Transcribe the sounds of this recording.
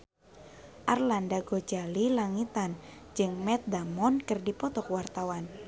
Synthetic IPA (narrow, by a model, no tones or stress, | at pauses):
ʔarlandaɡod͡ʒalilaŋit̪and͡ʒɨŋmɛt̪̚damɔnkɨrdipɔt̪ɔkwart̪awan